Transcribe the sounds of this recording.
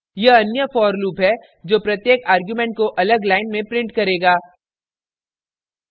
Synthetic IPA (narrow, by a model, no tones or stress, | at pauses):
jɐɐnjəfɔːɾluːpɦɛ | d͡ʒoːpɾɐt̪jeːkaːɾɡjumẽɳʈ̚koʔɐləɡlaːɪnmẽpɾɪ̃ɳʈkɐɾeːɡaː